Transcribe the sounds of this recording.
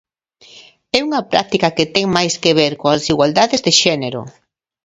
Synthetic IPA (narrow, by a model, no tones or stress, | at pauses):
ɛuŋɐpɾa̰k̚t̪ikɐket̪ɛŋmajskeβ̞eɾkoassiɣwald̪aðezðeʃɛneɾo̰